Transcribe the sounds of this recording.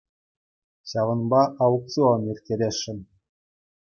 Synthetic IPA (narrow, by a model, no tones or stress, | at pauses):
ɕɑʋɤ̆nbɑʔɑwuk̚t͡suonirʲkʲeɾʲeʂːɘ̆nʲ